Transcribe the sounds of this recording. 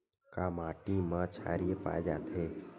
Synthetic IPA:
kamaːʈimãt͡ʃʰa̰ːɾiepa̰ːed͡ʒaːt̪ɦeː

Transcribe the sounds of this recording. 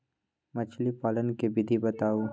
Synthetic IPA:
mɐt͡ʃʰlipaːlənkebɪd̪ʱibɐt̪aːu

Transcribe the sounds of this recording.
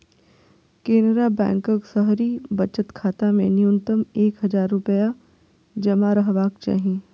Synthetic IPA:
keːnɾabɛ̰̃ːŋkəksəɦɾibɐt͡ʃət̪kʰaːt̪amḛ̃nijʊ̃nt̪əmeːkɦɐd͡ʒaːɾːʊpəja | d͡ʒɐmaɾɐɦʋaːkt͡ʃa̰ːɦĩ

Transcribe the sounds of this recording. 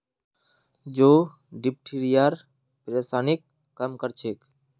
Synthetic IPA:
d͡ʒoː | ɖɪp̚ʈʰiɾijaɾ | pɾeːsaːnɪkː | əmkəɾt͡ʃʰeːk

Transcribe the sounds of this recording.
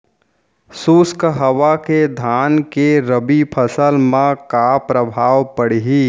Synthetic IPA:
suːskɦəwaked̪ʱaːnkeɾəbipʰəsəlmãkapɾəbʱaːwpəɽ̤ɦi

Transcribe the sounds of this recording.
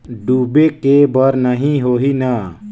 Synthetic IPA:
ɖubekebəɾnəɦĩɦoɦina

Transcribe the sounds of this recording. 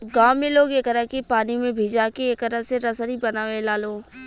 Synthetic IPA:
ɡaːmẽloːɡekəɾəkipaːnimẽbʱiːd͡ʒakeeːkəɾəseɾəsəɾibənaːʋelaːloː

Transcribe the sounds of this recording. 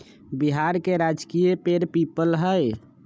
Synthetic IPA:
biɦaɾkeɾad͡ʒkijepeɾpipəlɦəj

